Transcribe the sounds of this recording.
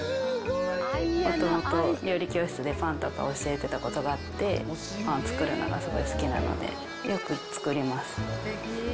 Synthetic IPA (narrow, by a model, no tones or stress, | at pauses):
mo̞t̪o̞mo̞t̪o̞ɾʲo̞ːɾʲikʲo̞ːɕi̥t͡sɨd̪e̞pãnt̪o̞ka̰oɕiet̪e̞t̪ako̞t̪oɡaːt̪ːe̞ | ɸãnt͡sɨ̥kɯ̟ɾɯ̟no̞̰ɡa̰sɨɡo̞̰isɨ̥kʲina̰no̞̰d̪e̞̰ | jo̞kɯ̟t͡sɨ̥kɯ̟ɾʲimasɨ̥